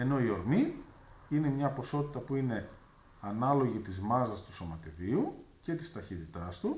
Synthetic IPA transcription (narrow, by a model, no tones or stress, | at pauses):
e̞no̞io̞ɾmi | ine̞mɲɐpo̞so̞t̪i̥t̪ɐpuine̞ | ɐnɐlo̞ʝit̪izmɐzɐst̪u̥so̞mɐt̪iðiuce̞t̪ist̪ɐçit̪it̪ɐst̪u